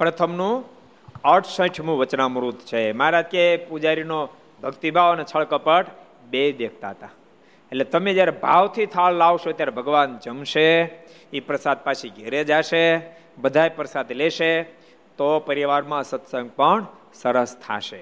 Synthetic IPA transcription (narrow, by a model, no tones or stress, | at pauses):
pɾət̪ʰəmnũ | əɾʈʰsə̃ʈʰmũʋət͡ʃnamɾut̪t͡ʃʰemaɾad͡ʒkepud͡ʒaɾino | bʱəɡt̪ibʱaʋnet͡ʃʰəɭkəpəʈ | bed̪ekʰt̪aɦət̪a | eʈlet̪əmẽd͡ʒjaɾebʱaʋt̪ʰit̪ʰaɭlaʋʃot̪jaɾebʱəɡʋand͡ʒəmʃe | ipɾəsad̪̚pat͡ʃʰiɡʱeɾed͡ʒaʃe | bəd̪ʱaepɾəsad̪leʃe | t̪opəɾiʋaɾmãsət̪sə̃ŋɡ̚pəɳ | səɾəst̪ʰa̰ʃe